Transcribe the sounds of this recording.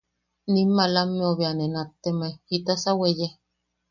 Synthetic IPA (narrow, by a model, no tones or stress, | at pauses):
nimːalamːeoβeanenat̪ːemahit̪asaweje